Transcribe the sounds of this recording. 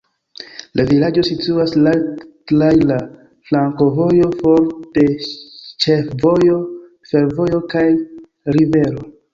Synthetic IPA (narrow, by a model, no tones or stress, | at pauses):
lʔavilad͡ʒo̞situasla | lajla | flaŋko̞vo̞jo̞fo̞ɾte̞t͡ʃefvo̞jo̞ | fe̞ɾvo̞jo̞kaj | ɾive̞ɾo̞